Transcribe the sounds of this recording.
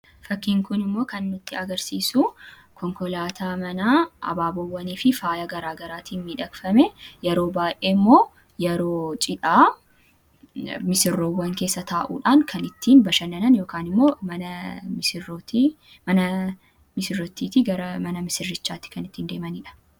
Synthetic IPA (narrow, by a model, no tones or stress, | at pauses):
fɐkːiːŋkʊnɪmːo̞ːkɐnːʊt̪ːɪɐɡɐɾsiːsu | kʰɔŋkɔlaːt̪aːmɐnaːʔɐ̰baːbɔwːɐniːfɪfaːjɐɡɐɾaːɡɐɾaːt̪iːnmiːᶑɐkfɐmɛjɛɾo̞ːbaːjʔeːɪmːo̞ː | jɛɾoːt͡ʃʼɪᶑaː | mɪsɪrːoːwːɐŋke̞ːsːɐt̪ʰaːʔṵːᶑaːŋkʰɐnɪt̪ːiːnbɐʃɐnɐnɐnjo̞ːkaːnɪmːo̞ːmɐɐmɪsɪt̪ː | mɐnɐ | mɪsɪrːɔt̪ːiːt̪ɪɡɐɾɐmɐnɐmɪsɪrːɪt͡ʃːaːt̪ːɪ̥kɐnɪt̪ːiːnd̪e̞ːmɐniːᶑɐ̥